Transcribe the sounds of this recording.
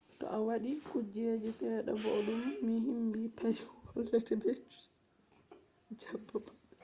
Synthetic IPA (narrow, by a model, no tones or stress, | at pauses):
tɔ̰ʔawaɗikud͡ʒːed͡ʒɛsɛɗa̰bɔɗumːihimbipad͡ʒwɔlːatɛbɛt͡ʃu̥ | d͡ʒabːaba